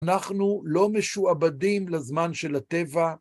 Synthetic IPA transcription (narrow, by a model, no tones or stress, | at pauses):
naχnulo̞meʃuabadimlazmanʃelat̪e̞va